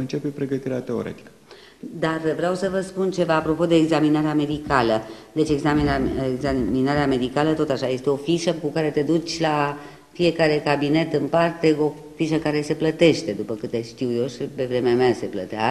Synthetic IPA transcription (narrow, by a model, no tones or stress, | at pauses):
ɨnt͡ʃe̞pepɾe̞ɡət̪iɾeat̪e̞o̞̰ɾḛt̪i̥kə̥ | d̪arvɾeawsəvəspunt͡ʃe̞vaːpɾo̞po̞d̪e̞ːɡzaminaɾeame̞d̪ikaləd̪e̞t͡ʃe̞ɡzamineɡzaminaɾeame̞d̪ikalət̪o̞t̪aʃaje̞st̪eo̞fiʃəkukaɾe̞t̪e̞d̪ut͡ʃʲla | fie̞kaɾe̞kabine̞t̪ɨnpart̪e̞o̞ | fiʃəkaɾe̞se̞plət̪e̞ʃt̪e̞d̪upəkɨt̪ːeʃt̪iwjo̞ʃipe̞vɾe̞meamease̞plət̪ea̰